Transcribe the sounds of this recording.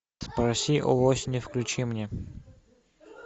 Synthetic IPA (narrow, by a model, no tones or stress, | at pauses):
spɾɐsʲiʔɔ̰osʲɪnʲɪfklʲʊt͡ɕimnʲɛ